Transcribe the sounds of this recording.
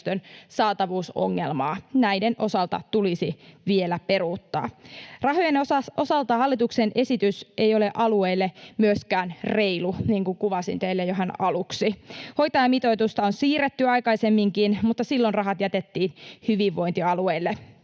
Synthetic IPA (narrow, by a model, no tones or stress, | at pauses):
t̪ønsɑːt̪ɑʋuːso̰ŋːelmɑːnæjdenʔo̞sɑlt̪ɑ̰t̪ulisiʋielæpe̞ruːt̪ːɑ̰ːrɑɦojenɑo̞sɑlt̪ɑhɑlːit̪uksenʔe̞sit̪ysʔe̞jo̞le̞ʔɑlueilːemyøskæːnre̞iluniːŋkuŋkuʋɑsḭnt̪eilːejoɦenɑluksiho̞jt̪ɑjɑmit̪o̞it̪ust̪ɑonsiːret̪ːyɑjkɑisemːiŋkinmut̪ːɑsilːonrɑɦɑt̪jæt̪et̪ːiːnhyʋiʋːo̞jnt̪iɑlueilːe